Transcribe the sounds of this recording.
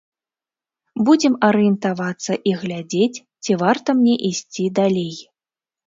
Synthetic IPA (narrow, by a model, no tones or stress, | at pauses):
bud͡zʲɛmɐɾɨjɛnt̪avat̪sːɐʔiɣlʲad͡zʲet͡sʲ | t͡sʲivart̪ɐmnʲɛʔisʲt͡sʲid̪alʲej